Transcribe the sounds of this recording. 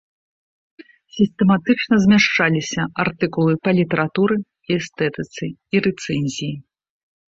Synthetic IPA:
sʲist̪ɛmat̪ɨt͡ʂnɐzʲmʲaʂt͡ʂalʲisʲɐart̪ɨkulˠɨpɐlʲit̪ɛɾat̪uɾɨ | iɛst̪ɛt̪ɨt̪sɨiɾɛt̪sɛnʲzʲiji

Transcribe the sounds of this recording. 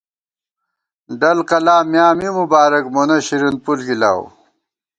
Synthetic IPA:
ɖɐlkɐlaːmjaːmimubaːɾɐkmonɐɕiɾin̚pulkila̰ːw

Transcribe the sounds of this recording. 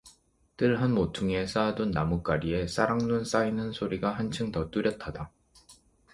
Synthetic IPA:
t͈ɯɭɦanmotʰuŋe̞s͈adonːamuk͈aɾie̞s͈ʰaɾaŋnuns͈ainɯnsʰoɾiɡaɦant͡ɕʰɯŋtʌt͈uɾjʌtʰada

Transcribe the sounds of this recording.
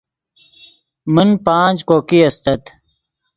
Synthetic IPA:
mənpãːd͡ʑkoːkiɐst̪ɐt̪

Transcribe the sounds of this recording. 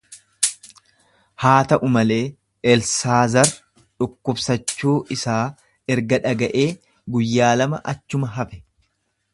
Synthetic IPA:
haːt̪ɐʔʊmɐle̞ː | ɛlsaːzɐɾ | ᶑʊkːʊbsɐt͡ʃːuːʔɪsaː | ɛɾɡɐᶑɐɡɐʔe̞ː | ɡʊjːaːlɐmɐʔɐt͡ʃːʊmɐɦɐfɛ̥

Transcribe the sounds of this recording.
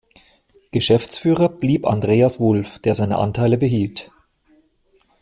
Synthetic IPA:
ɡ̥əʃɛft͡sfyːʁɐb̥liːpa̰ndʁeːasv̥ʊlfd̥eːɐzaɪnə̰ʔa̰ntʰaɪləbəɦiːlt

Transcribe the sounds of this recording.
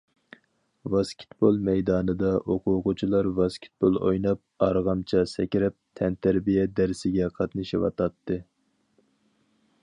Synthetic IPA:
vɑskʲʰi̥t̪bolˠmɛjd̪ɑːnɨd̪ɑʔoqʰʊqʊt͡ʃʰilˠɑɾvɑskʲʰi̥t̪̚bolˠojnɑp̚ɑɾʁɑmt͡ʃʰɑsɛkʲɾɛp̚t̪ʰɛnt̪ʰæɾbijɛd̪æɾsɪɡʲɛqʰɑt̪nɨʃiwɑ̰t̪ɑt̪ːɨ

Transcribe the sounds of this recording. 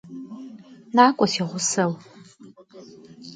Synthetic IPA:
naːkʷʼɔsiʁʷʊsɐw

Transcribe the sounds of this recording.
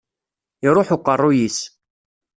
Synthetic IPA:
iɾˤoħʊqːərˤːʊjis

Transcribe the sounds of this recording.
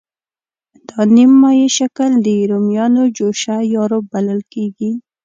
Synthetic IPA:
d̪̥ɑnimːɑjeʃakəld̪əɾomjɑnod͡ʒoʃajɑɾob̚baləlkeɡi

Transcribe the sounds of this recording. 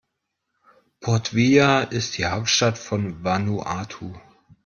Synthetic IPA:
pʰɔɐtv̥iːaʔɪst̚d̥iːhaʊp̚tʃtatfɔnvanuʔaːtʰu

